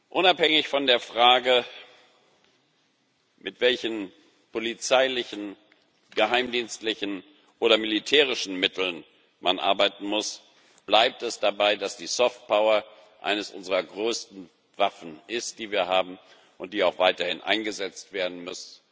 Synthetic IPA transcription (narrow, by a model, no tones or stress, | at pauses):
ʔʊnaphɛŋɪçfɔndeːɐfʁ̥aːɡə | mʔɪtv̥ɛlçn̩ | pʰolit͡saɪlɪçn̩ | ɡ̥əɦaɪmdiːnstlɪçn̩ | ʔoːɾɐmɪlitʰɛːʁɪʃn̩mɪtʰl̩n | mʔanʔa̰ɐbaɪtn̩mʊs | b̥laɪp̚tɛsd̥abaɪdasd̥iːsɔft̚pʰaʊɐ | ʔa̰ɪnəsʔʊ̰nzəʁɐɡʁøːstn̩ | vafn̩ʔɪst̚d̥iːviːɐɦaːbm̩ | ʔʊnt̚d̥iːaʊxv̥aɪtɐhɪnʔa̰ɪnɡəzɛt͡stv̥eːɐdn̩mʏsn̩